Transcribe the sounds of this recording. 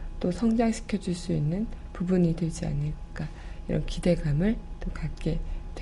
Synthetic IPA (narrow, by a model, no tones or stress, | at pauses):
t͈osʰʌŋd͡ʑaŋɕʰi̥kʰjʌd͡ʑuɭs͈uinːɯnpubuɲitweɭd͡ʑia̰nɯɭk͈a | iɾʌ̰nkide̞ɡamɯɭt͈okak͈e̞te